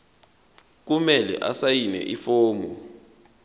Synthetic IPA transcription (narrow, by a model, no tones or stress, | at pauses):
k̬umɛlɛ̰ʔasajinɛ̰ʔifoːmɔ